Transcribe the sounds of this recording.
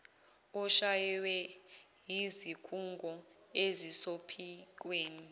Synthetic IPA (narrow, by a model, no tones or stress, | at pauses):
ɔʃajɛwɛ | jizikʰuŋɡʱɔ | ezisopʰik̬weːni